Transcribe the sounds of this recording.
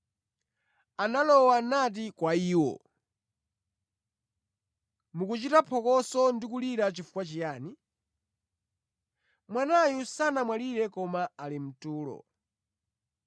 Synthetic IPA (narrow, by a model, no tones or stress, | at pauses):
analɔwanat̬ikwaiːwɔ̰ | mukut͡ʃitapʰɔkɔsɔndikuliɾat͡ʃifu̥kwat͡ʃijaːni | mwanajusanamwaliɾɛkɔmaːlim̩tuːlɔ̰